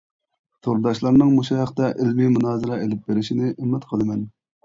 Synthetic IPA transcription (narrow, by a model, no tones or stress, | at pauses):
t̪ʰoɾd̪ɑʃlˠɑɾnɨŋmoʃɑɛχt̪ɛʔɪlmimunɑːzɨɾɑelɪp̚beɾɪʃinɪʔɪmːɛt̪qʰəlˠɨmɛn